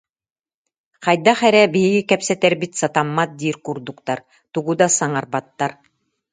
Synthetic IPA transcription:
qɑjd̪aχɛɾɛbiɦiɡikɛpsɛt̪ɛɾbit̪sat̪amːat̪̚d̪iːɾkuɾd̪ukt̪aɾ | t̪uɡud̪asaŋaɾbat̪ːaɾ

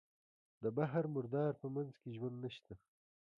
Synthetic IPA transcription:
d̪əbaɦaɾmʊɾd̪ɑːɾpəmanzkeʒwand̪naʃt̪a

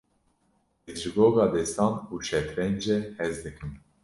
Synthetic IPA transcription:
ɛzʒɨɡoːɡɑːd̪ɛst̪ɑːnuːʃɛt̪ɾɛnd͡ʒɛhɛzd̪ɨkɨm

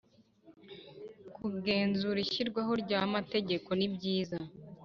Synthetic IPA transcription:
kuɡe̞ːnzuɾiçiɾɡwaɦo̞ɾɟaːmate̞ɟe̞ko̞nibɟiːza

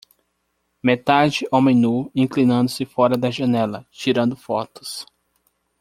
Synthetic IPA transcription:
met̪ad͡ʒɪʔowmẽj̃nuĩklĩnɐ̃nd̪ʊsɪfɔɾɐd̪ɐʒɐnɛlɐt͡ʃiɾɐ̃nd̪ʊfɔt̪ʊ̥s

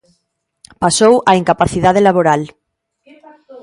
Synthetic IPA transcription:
pasowaiŋkapaθiðað̞elaβoɾal

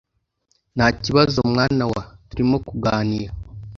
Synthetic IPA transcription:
naciβazomŋaːnawatuɾimokuɡaːniɾa

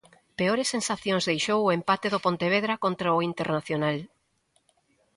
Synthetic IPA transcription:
peoɾesːensaθjõnzðejʃowʊempat̪eðopont̪eβ̞eðɾakont̪ɾaoint̪eɾnaθjonal

